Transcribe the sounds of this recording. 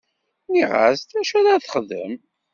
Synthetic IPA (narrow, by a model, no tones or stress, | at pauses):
niʁa̰st̪æʃæðaθχðə̰m